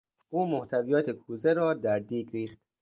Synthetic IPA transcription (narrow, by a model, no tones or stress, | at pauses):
uːmoht̪ʰævijɒːt̪ʰekʰuːzeɾɒːd̪æɾd̪iːɡɾiːχt̪̚